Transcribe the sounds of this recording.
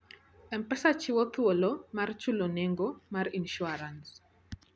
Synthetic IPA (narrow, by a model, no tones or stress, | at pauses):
ɛmpɾɛsat͡ʃɪwɔt̪wolomart͡ʃuloneŋɡomarinʃuaɾans